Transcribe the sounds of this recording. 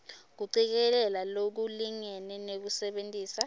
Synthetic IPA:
k̬uǀik̬ɛlɛlalok̬uliŋɛnɛnek̬usɛɓentʼiːsa

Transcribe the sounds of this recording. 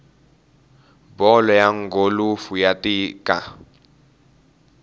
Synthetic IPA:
bɔlɔjaŋ̩ɡolufujatikʼa

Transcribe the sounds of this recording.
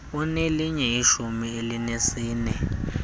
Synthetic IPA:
uneliɲɛiʃumielinesiːnɛ

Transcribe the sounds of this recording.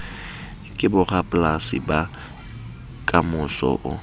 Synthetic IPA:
kʼɪbʊrapʼlasɪ̰ba | kʼamʊsɔ̰ʔʊ

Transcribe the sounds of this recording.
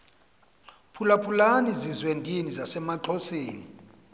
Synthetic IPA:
pʰulapʰulanizizwendʱʼinizasɛmaǃɔseːni

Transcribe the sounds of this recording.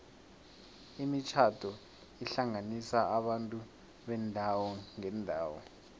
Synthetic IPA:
imit͡ʃʰatʰɔ | iɬaŋanisaaɓantʼu | ɓɛndʱawɔŋɛndʱaːwɔ̰

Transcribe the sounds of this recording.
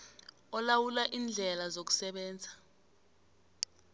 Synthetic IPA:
ɔlawulaʔiːnd͡ɮʱɛlazok̬u̥sɛɓɛːnd͡zʱa

